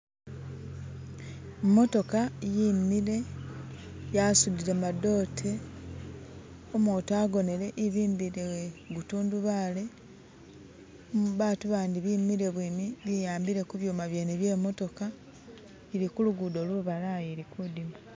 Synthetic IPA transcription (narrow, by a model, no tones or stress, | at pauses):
mːo̞to̞kajiːmːiɾe̞ | jasudiɾemado̞ːtʰe̞ | omoːtoaːɡo̞ne̞ɾe̞ʔiβiːmbiɾeweɡutuːnduβaːle̞ | βaːtuβaːndiβiːmiɾe̞βwiːmiβijaːmbiɾe̞kuβjuːmaβje̞neβje̞ːmo̞to̞ka | iɾikuluɡudo̞ːluβalajeɾikudimu